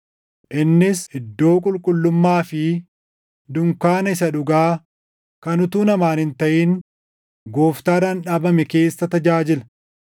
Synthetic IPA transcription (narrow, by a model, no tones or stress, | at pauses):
ʔɪnːɪsɪd̪ːo̞ːkʼʊlkʼʊlːʊmːaːfɪ | d̪ʊŋkaːnɐɪsɐᶑʊɡaː | kɐnʊt̪uːnɐmaːnɪnt̪ɐʔiːn | ɡoːft̪aːɾɐnᶑaːbɐmɛke̞ːsːɐt̪ɐd͡ʒaːd͡ʒɪlɐ